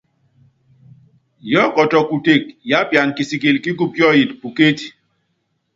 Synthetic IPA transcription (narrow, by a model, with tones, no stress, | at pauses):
jɔ˦kɔ˨tɔ˨ku˨te˦˨k̚ja˦pja˨nki˨si˨ki˨lki˦ɡu˦pjɔ˦ji˨tpu˨ke˦ti˨